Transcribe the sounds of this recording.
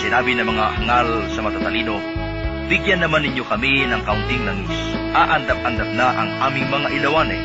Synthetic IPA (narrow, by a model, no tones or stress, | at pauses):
sɪnaːbinɐmɐŋahɐŋalsɐmɐt̪at̪ɐliːno | b̥ɪɡjanːɐmanːɪɲjokɐminɐŋkɐʊnt̪ɪŋlɐŋisʔaʔɐnd̪ap̚ɐnd̪ap̚naʔɐŋʔaːmɪŋmɐŋaʔɪlɐwanɛ̰